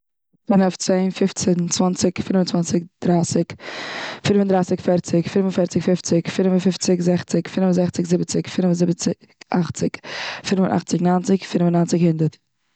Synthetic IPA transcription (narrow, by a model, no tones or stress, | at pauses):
fɪnɔft͡seɪnfɪft͡sɛnt͡svant͡sɪkfɪnvənt͡sant͡sɪk̚d̥ɾaːsɪk | fɪnvəndɾaɪsɪkfɛɾt͡sɪkfɪnvnfɛɾt͡sɪkfɪft͡sɪkfɪnvənfɪft͡sɪkzɛχt͡sɪkfɪnvənzɛχt͡sɪkzɪbət͡sɪkfɪnvənzɪbət͡sɪ | ʔaχt͡sɪkfɪnvənʔa̰χt͡sɪknaːnt͡sɪkfɪnvənaːnt͡sɪkhɪndəɾt